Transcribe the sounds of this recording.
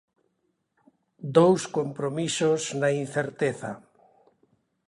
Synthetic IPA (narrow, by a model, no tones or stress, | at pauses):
d̪owskompɾomisoznainθeɾt̪eθa̰